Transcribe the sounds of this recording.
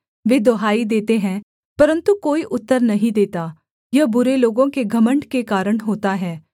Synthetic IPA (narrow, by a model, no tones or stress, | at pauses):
ʋeːd̪oɦaːid̪eːt̪eɦɛ̃ː | pɐɾə̃nt̪ukoːiʔʊt̪ːəɾnɐɦĩd̪eːt̪aː | jabʊɾeloːɡõkeɡʱɐməɳɖkekaːɾəɽɦoːt̪aɦɛː